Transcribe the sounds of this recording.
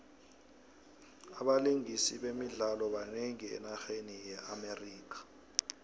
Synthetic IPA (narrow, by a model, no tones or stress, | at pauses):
aɓaliŋisiɓemiɮalɔɓaneŋiɛ̰naxenijɛʔameriːk̬ḁ